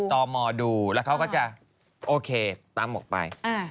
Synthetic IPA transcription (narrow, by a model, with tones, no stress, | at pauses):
t̪ɔː˧mɔː˧duː˧lɛː˦˥wkʰwkɔ˥˩t͡ɕa˨˩ | ʔoː˧kʰeː˧t̪aː˦˧˥mːo˨˩t̪̚pa̰˧j